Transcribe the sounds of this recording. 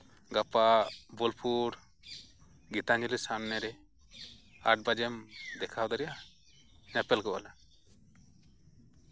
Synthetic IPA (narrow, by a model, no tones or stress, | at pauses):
ɡapabɔlpʰuɾ | ɡit̪aɲilisamnɛɾɛ | a̰ʈ̚bad͡ʒɛmd̪ɛkʰawd̪aɾɛja | ɲapɛlkɔʔala